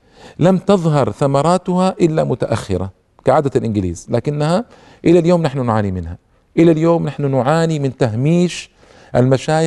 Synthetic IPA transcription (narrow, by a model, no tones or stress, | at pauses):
lamt̪ɑðˤɦɑɾˤθamɑɾˤɑːt̪ʊhaʔɪlːamʊt̪aʔaxːɪ̰ɾa̰ | kaʕaːd̪alʔɪnɡɪlḭːz̥laːkɪnːaha | ʔɪlaljoːmnaħnunʕaːnimɪnha | ʔɪlaljoːmnaħnunʊʕaːnimɪnt̪aɦmiːʃ | ʔalmaʃaːjɪ